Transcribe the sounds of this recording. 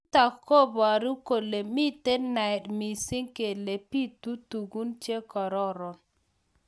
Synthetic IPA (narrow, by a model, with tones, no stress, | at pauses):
ta˨kko˦ba˨ɾu˦ko˨le˨mi˦t̪e˦nna˨ɛ˨dmi˨sɪ˦ŋke˨le˨pi˦t̪u˦tu˨ɡu˦nt͡ʃje˦kɔ˨ɾɔ˦ɾɔ˨n